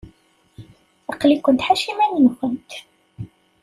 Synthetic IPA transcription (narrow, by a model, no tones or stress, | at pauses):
ɑqlikʷənt̪ħaʃimæninxənt̪